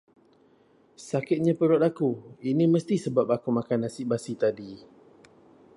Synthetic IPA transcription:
sakɪt̪̚ɲãpəɾɔt̪akuinĩməst̪isəbap̚akumãkanasiʔbasit̪adi

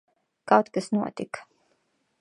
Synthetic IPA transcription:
kawt̪kasnuɔt̪ik

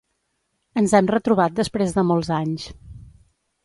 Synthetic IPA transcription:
ənzɛmrət̪ɾuβ̞at̪̚d̪əspɾezðəmɔlˠzaɲs

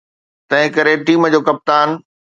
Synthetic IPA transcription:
t̪ɐ̃ɦɪ̃kɐɾeʈiːmd͡ʑoːkɐp̚t̪aːn

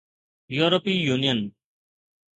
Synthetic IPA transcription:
juːɾopiːjuːnijən

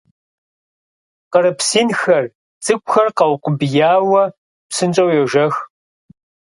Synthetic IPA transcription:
qəɾɨpsiːnxɐr | t͡sʼɨkʷʼʊxɐrqɐwqʷʊbjaːwɐ | psɨnt͡ʃʼɐwjɛʒɐx

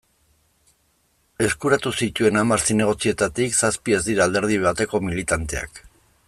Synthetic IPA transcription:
e̞skuɾat̪usit̪ue̞namaɾsine̞ɣ̞o̞t͡sie̞t̪at̪iksaspie̞zd̪iɾaːld̪e̞ɾð̞iβat̪e̞ko̞milit̪ant̪e̞a̰k

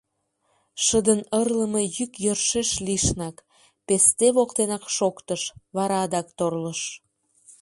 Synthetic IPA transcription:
ʃəd̪ənərləmɤ̆jykjørʃeʃliʃnɑk | pest̪eβokt̪enɑkʃokt̪əʃβɑɾɑd̪ɑkt̪orləʃ

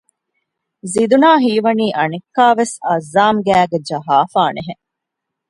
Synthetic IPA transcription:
zid̪unaːɦiːʋɐniːʔɐnekːaːʋesɐzːaːmɡæːɡed͡ʒɐɦaːfaːneɦe

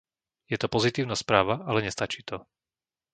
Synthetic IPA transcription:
jɛt̪ɔpɔzit̪iːʊnaspɾaːʋaʔalɛɲɛst̪at͡ʃiːt̪ɔ

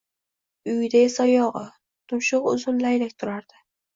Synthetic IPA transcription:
ʊjd̪aesajɒʁɨ | t̪ʰʊnʃʊqʊ̰zʊnlajlakʲt̪ʰʊɾaɾd̪̥ɪ

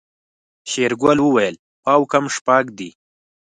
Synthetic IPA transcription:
ɕeɾɡwalwəwajəl | ɑwkamʂpakd̪i

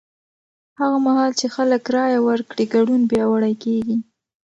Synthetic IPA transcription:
haɣamahɑlt͡ʃexaləkɾɑjawəɾkɽiɡaɖunbjɑwaɽajkeɡi

